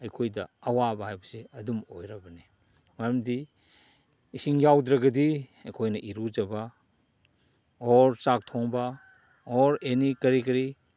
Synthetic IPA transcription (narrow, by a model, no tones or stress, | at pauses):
ɐjkʰojdɐ̰ɐwabɐɦajbɐseɐdumojɾɐbɐni | mɐjɐmdi | siŋjawdɾɐɡɐdiɐjkʰojnɐʔiɾud͡ʒɐbɐ | ɔɾsak̚tʰoŋbɐ | ɔɾenikɐɾikɐɾi